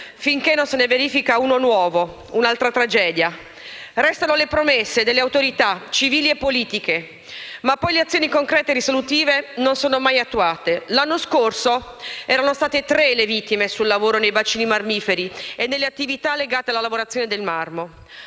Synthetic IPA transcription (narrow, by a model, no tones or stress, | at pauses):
fiŋkenːonseneveɾiːfikaunonwɔːvo | unalt̪ɾat̪ɾad͡ʒɛːd̪ja | ɾɛst̪anolepɾomesːed̪elːeawt̪oɾit̪at͡ʃiviːliepːoliːt̪ike | mapːɔjleat̪sːjoːnikoŋkɾɛːt̪erisolut̪iːvenonsoːnomajat̪ːuaːt̪elanːoskorsoɛːɾanost̪aːt̪et̪ɾelevit̪ːimesulːavoːɾonejvat͡ʃːiːnimarmiːfeɾienːelːeat̪ːivit̪alːeɡaːt̪ealalavoɾat̪sːjoːned̪elmarmo